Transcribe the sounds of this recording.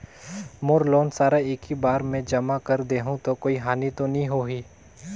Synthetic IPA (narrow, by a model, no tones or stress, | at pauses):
moːɾloːnsaːɾaeːkibaːɾmẽd͡ʒɐmakɐɾd̪eːɦũt̪okoːiɦaːnit̪onɐɦĩɦoːɦiː